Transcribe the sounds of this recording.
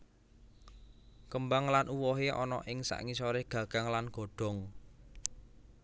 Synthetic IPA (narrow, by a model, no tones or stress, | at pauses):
kəmbaŋlanʔuwɔɦeʔɔnɔʔɪŋsa̰ʔŋisɔɾeɡ̥ä̤ɡ̥a̤ŋlanɡ̥o̤ɖ̥ɔ̤ŋ